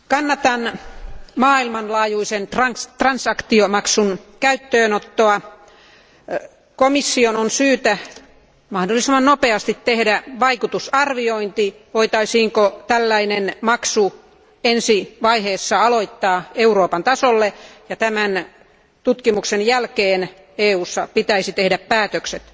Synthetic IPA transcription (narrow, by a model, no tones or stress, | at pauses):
kɑnːɑt̪ɑn | mɑːilmɑnlɑːjuisent̪rɑnsɑkt̪iomɑksunkæyt̪ːøːnot̪ːoɑ | komisːiononsyːt̪æ | mɑhdolːˑisemːɑnnopeɑst̪it̪tehdæʋɑikut̪usɑrʋioint̪i | ʋoit̪ɑisiːŋkot̪ælːæinenmɑksu | ensiʋɑiheːsːɑɑloit̪ːɑːeuroːpɑnt̪ɑsolːejɑt̪æmæn | t̪ut̪kimuksenjælkeːn | eːuːsːɑpit̪æisit̪ehdæppæːt̪økset̪